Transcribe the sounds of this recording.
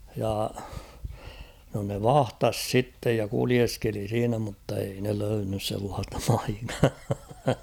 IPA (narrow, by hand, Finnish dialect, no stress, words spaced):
jɑ no ne ʋɑhtɑs sitːej jɑ kulieskeli siːnæ mutːei ne løynːys selːɑːstɑ̥ pɑ̥i̥kːɑ̥ː